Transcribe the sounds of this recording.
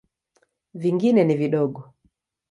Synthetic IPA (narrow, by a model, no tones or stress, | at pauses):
viŋɡinɛniviɗɔɡɔ